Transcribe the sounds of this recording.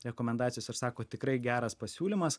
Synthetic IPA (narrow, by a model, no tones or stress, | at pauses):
ɾʲɛkoːmʲɛnd̪ɑːt̪ʲɪjoːsɪɾsɑːkoːt̪ʲɪkɾɐɪɡʲæːɾɐspɐsʲuːlʲɪmɐs